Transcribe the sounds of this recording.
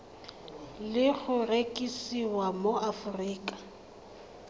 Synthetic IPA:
lɪɣʊrekʼisiwamoafʊriːkʼḁ

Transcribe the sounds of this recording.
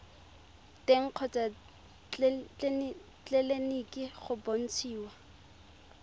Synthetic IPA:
teŋ̩q͡χʰɔt͡sʼa | t͡ɬ | t͡ɬɛlenikʼɪχʊbon̩t͡sʰiːwa

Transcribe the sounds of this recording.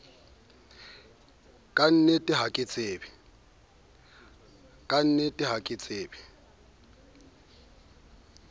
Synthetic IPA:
kʼan̩nɛtʼɪɦakʼɪt͡sʼeːbɪ | kʼan̩nɛtʼɪɦakʼɪt͡sʼeːbɪ

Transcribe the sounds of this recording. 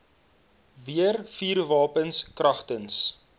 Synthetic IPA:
viərfiːrvɑːpənskrɐχtəns

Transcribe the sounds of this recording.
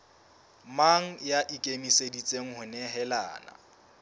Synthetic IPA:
maŋ̩jaʔɪkʼemisedit͡sʼeŋ̩ɦʊnɛɦɛla̰ːna̰

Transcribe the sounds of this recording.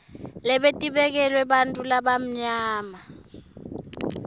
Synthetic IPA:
lɛɓetʼiɓɛk̬ɛlwɛɓantʼulaɓam̩ɲaːma

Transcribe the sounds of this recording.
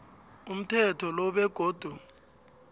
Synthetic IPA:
um̩tʰɛtʰɔlɔɓɛɡ̥ʱoːd̥ʱu

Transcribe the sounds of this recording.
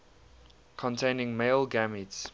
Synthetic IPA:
kʰɔ̃ntʰẽɪ̃nɪ̃ŋmeɪlˠɡæmits

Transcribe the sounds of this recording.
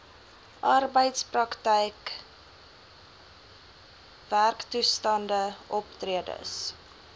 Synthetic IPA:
ʔɑrbəjtsprɐktəjk | værktustɐndəʔɔptriədə̰s

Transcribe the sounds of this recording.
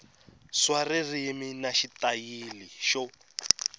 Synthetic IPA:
swaririminaʃitajiliʃɔ

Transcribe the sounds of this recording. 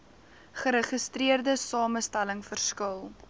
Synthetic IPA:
χəɾəχəstɾiərdəsɑːməstæləŋfərskəlˠ

